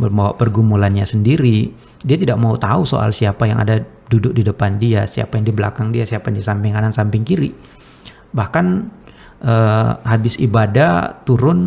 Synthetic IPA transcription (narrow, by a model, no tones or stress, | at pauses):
bərmbawa̰ʔpərɡumulanɲasəndiɾi | diat̪idaʔ̚maut̪auso̰ʔa̰lsiapaja̰ŋa̰da | dudʊk̚didəpandiasia̰pajaŋdibəla̰kaŋdiasiapajadisampɪŋkanansampɪŋkiɾi | bahkan | ʔəːɦabɪsibadat̪uɾʊn